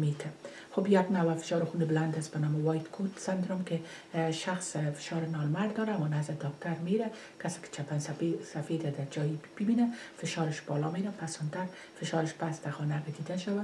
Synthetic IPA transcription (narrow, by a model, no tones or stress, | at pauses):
met̪ʰa | xobjaɡnawafɪ̥ʃɒɾɪxunɪbland̪asbanɔmɪwɒjt̪kʰut̪sand̪ɾɔmkɪ | ʃaxsfɪ̥ʃɑɾɪnɔnmaɾd̪ɒɾamɔnazɪd̪ɔkt̪ʰaɾmeɾa | kasɪ̥kɪ̥t͡ʃʰapanssafed̪ad̪ad͡ʒɒjib̥ɪbinafɪʃɔɾɪʃb̥ɒlɔmeɾapasɔnt̪aɾ | fɪʃɑɾɪʃpasd̪axɔnaɡɪd̪id̪aʃawa